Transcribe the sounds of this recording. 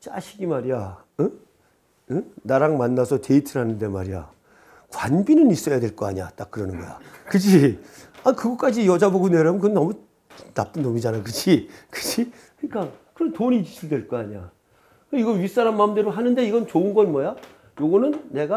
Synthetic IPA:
t͡ɕa̰ɕʰiɡimaɾija | ɯ | ɯnaɾaŋmanːasʰʌte̞itʰɯɾɦanɯnde̞ma̰ɾija̰ | kwanbinɯnis͈ʌjadwe̞ɭk͈ʌa̰ɲia̰t͈ak͈̚ɯɾʌnɯnɡʌ̰ja̰kɯd͡ʑiankɯɡʌk͈ad͡ʑijʌd͡ʑaboɡuneɾabnkɯnnʌmu | nap͈ɯnnomid͡ʑanakɯd͡ʑikɯ̥d͡ʑi | kɯɲik͈akɯɾʌntoɲid͡ʑiɕʰiɭdwe̞ɭk͈ʌaɲia̰ | kɯiɡʌɥis͈aɾanmamdeɾoɦanɯnde̞iɡʌnt͡ɕoɯnɡʌnmwʌja | joɡʌnɯnːe̞ɡa

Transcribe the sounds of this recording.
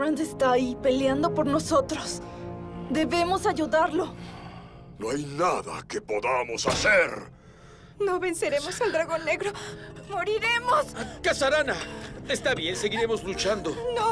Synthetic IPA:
ɾand̪est̪aːipe̞ljand̪o̞po̞ɾno̞so̞t̪ɾo̞s | d̪e̞βe̞mo̞saʝuðaɾlo̞ | noajnaða̰ke̞po̞ðamo̞saseɾ | no̞βe̞nse̞ɾe̞mo̞sald̪ɾaɣo̞nːe̞ɣɾo̞moɾiɾe̞moskasaɾanat̪est̪aβje̞nse̞ɣiɾe̞mozlut͡ʃand̪o̞no

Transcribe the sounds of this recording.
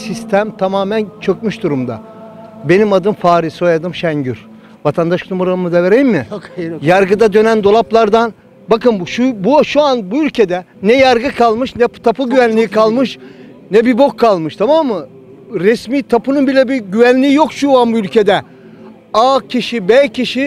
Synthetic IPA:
sist̪ʰæmt̪ʰamaːmænt͡ʃʰø̞cmyʃd̪uɾumd̪a̰ | be̞nimad̪ɯmfaːɾisojad̪ɯmʃæɲɟyɾ | vat̪ʰand̪aʃknumuɾaɯmɯd̪ave̞ɾejimmɪjaɾɡɯd̪ad̪ø̞nænd̪o̞lˠaplˠaɾd̪an | bakɯnʃubuʃuanbuylʲcʰe̞d̪ɛ | nɛjaɾɡɯkʰalˠmɯʃnɛt̪ʰapɯɟyvænlʲiikʰalˠmɯʃ | nɛbibokʰːalˠmɯʃt̪ʰamamːɯ | ɾɛsmiːt̪ʰapɯnɯnbilʲɛbiɟyvænlʲiijo̞kʃuanbuylʲcʰe̞d̪ɛ | aːcʰiʃibɛcʰiʃi

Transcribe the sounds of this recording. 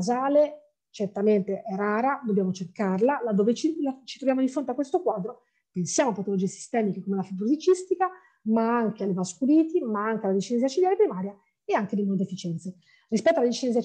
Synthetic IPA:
zaːle | t͡ʃert̪ament̪eʔɛraːɾad̪obːjaːmot͡ʃerkarlalad̪oːvet͡ʃilat͡ʃit̪ɾovjaːmod̪ifɾont̪eakwest̪okwaːd̪ɾo | pensjaːmoapːat̪olod͡ʒiːesi̥st̪ɛːmikekomelafit̪uɾzit͡ʃist̪ika | maaŋkealːevaskuliːt̪imaaŋkealad̪it͡ʃinɛziat͡ʃid̪jalepɾimaːɾja | eaŋked̪imond̪efːit͡ʃɛnt̪se | rispɛt̪ːoalad̪it͡ʃinɛzia

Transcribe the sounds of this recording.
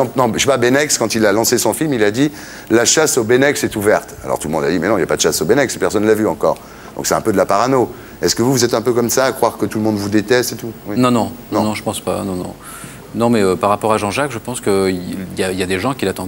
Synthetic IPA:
ɑ̃pnɔ̃ʃepabenɛkskɑ̃t̪ilalɑ̃sesɔ̃filmilad̪i | laʃasobenɛksɛt̪uvɛʁt̪a̰lɔ̰ʁt̪ulmɔ̃d̪ad̪imɛnɔ̃iljapad̪əʃasobenɛkspɛʁsɔnːəlavyɑ̃kɔʁ | d̪ɔ̃ksɛɛ̃pød̪əlapaʁano | ɛskəvuvuzɛt̪ɛ̃pøkɔmsaːkχwaʁkət̪uləmɔ̃d̪vud̪et̪ɛst̪et̪uwinɔ̃nɔ̃nɔ̃nɔ̃ʒəpɑ̃spa̰nɔ̃nɔ̰̃ | nɔ̃mɛøpaʁːapɔʁaʒɑ̃ʒakʒəpɑ̃skəiljailjad̪eʒɑ̃kʲilat̪ɑ̃

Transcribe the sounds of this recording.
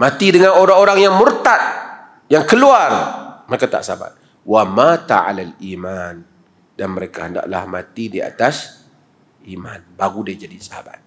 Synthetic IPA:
mat̪idəŋanoɾaŋoɾaŋjaŋmurt̪at̪̚ | jaŋkəluarməɾekat̪a̰ʔsaaba̰t̪̚ | wamat̪a̰ʕa̰laliman | danməɾekahənda̰ʔla̰hma̰t̪idia̰t̪as | ʔimanbaɣudiad͡ʒadisahaba̰t̪̚

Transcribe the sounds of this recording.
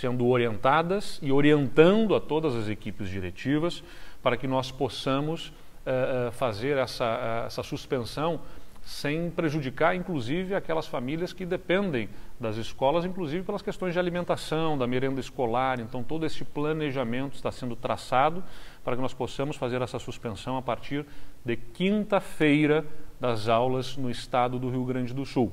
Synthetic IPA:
sẽnd̪ʊoɾiẽnt̪ad̪ɐsɪoɾiẽnt̪ɐ̃nd̪ʊɐt̪od̪ɐzɐzekipɪzd͡ʒiɾḛt͡ʃivɐs | paɾɐkɪnɔsposɐ̃mʊs | ɛɛfazeɾɛsɐɛɛ̰sɐsuspẽsɐ̃w̃sẽj̃pɾeʒud͡ʒikaɾĩŋkluzivɪakɛlɐsfamiliɐskɪd̪epẽnd̪ẽj̃d̪ɐzɪskɔlɐzĩŋkluzivɪpelɐskest̪õj̃zd͡ʒɪalimẽnt̪asɐ̃w̃d̪ɐmeɾẽnd̪ɐɪskolaɾẽnt̪ɐ̃w̃t̪od̪ʊesɪplɐneʒamẽnt̪ʊɪst̪asẽnd̪ʊt̪ɾa̰sad̪ʊpaɾɐkɪnɔsposɐ̃mʊsfazeɾɛsɐsuspẽsɐ̃w̃apaɾt͡ʃiɾd̪ɪkĩnt̪ɐfejɾɐd̪ɐzawlɐznʊɪst̪ad̪ʊd̪ʊɦiwɡɾɐ̃nd͡ʒɪd̪ʊsuw

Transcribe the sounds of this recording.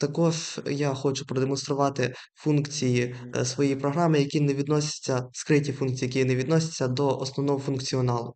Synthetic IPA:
t̪ɐkɔʐjaxɔt͡ʃʊpɾɔd̪emɔnst̪ɾʊʋɑt̪ɪ | funkt͡sʲijisʋɔjijpɾɔɦɾɑmɪjɐkʲineʋʲid̪nɔsʲɐ̥t͡sʲːɐskɾɪtʲifunk̚t͡sʲijɐkijineʋʲid̪nɔsʲɐ̥t͡sʲːɐd̪ɔʔɔsnɔʋnɔɦɔfʊnkt͡sʲiɔnɑlˠʊ

